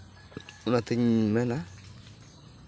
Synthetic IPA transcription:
unat̪eɲmɛna

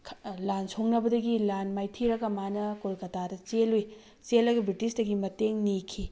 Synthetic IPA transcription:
kʰlansʰoŋnɐbɐdɐɡilanmajtʰiɾɐɡɐmanɐkolkɐtadɐt͡ʃeluj | t͡ʃelːɐɡɐbɾitisdɐɡimɐteŋnikʰi

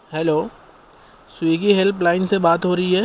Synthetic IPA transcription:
hɛloː | swiːɡiɦelplaːɪnsebaːt̪ɦoɾɐiɦɛː

